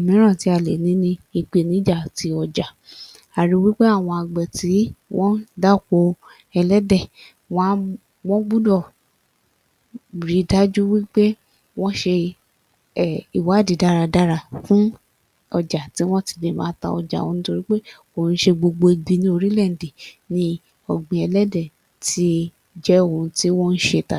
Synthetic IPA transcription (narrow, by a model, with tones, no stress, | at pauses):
o˨mĩ˨˦ɾ̃ã˦˨ti˨˦a˧˨le˨nĩ˨˦nĩ˧i˧k͡pe˨nĩ˨˦d͡ʒa˦˨ti˧˦ɔ˧d͡ʒa˨ | a˨ɾi˨˦wi˦k͡pe˦a˦˨w̃ɔ̃˧a˨ɡ͡bɛ˨ti˨˦w̃ɔ̃˦da˦˨ko˧˦ | ɛ˧lɛ˦dɛ˦˨ | wɔ̃˦ | w̃ɔ̃˦ɡ͡bu˦dɔ˦˨ | bɾi˨˦da˦d͡ʒu˦wi˦k͡pe˦ | w̃ɔ̃˦ʃe˧ | ɛ˦˨i˨wa˨˦˨di˨da˦ɾa˧da˦ɾa˧fũ˦ | ɔ˧d͡ʒa˨ti˨˦w̃ɔ̃˦ti̥˧˨de˨mã̰ː˨˦ta̰˧ɔ̰˧d͡ʒa̰˨wɔ̃˨˧nũ˦to˧ɾi˦k͡pe˦ | o˨n̩˦ʃe˧ɡ͡bo˧ɡ͡bo˧e˧ɡ͡bi˧nĩ˦o˧ɾi˦lɛ˦˨n̩˨di˨nĩ˧ | ɔ˨ɡ͡bĩ˧˨ɛ˧lɛ˦dɛ˦˨ | ti˦ | d͡ʒɛ˦õ˨ũ˧ti˦wɔ̃˦n̩˦ʃe˧˨ta˨